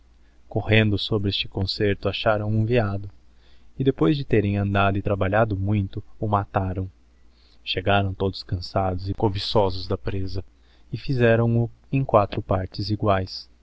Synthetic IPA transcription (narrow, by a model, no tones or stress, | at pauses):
kohẽnd̪ʊsobɾɪest͡ʃɪ̥kõseɾt̪ʊaʃaɾɐ̃w̃ũviad̪ʊ | ɪd̪epojzd͡ʒɪt̪eɾẽj̃ɐ̃nd̪ad̪ʊɪt̪ɾabaʎad̪ʊmũj̃t̪ʊʊmat̪aɾɐ̃w̃ | ʃeɡaɾɐ̃w̃t̪od̪ʊskɐ̃sad̪ʊzɪkobisɔzʊzd̪ɐpɾezɐ | ɪfizɛɾɐ̃w̃ʊẽj̃kwat̪ɾʊpaɾt͡ʃɪziɡwajs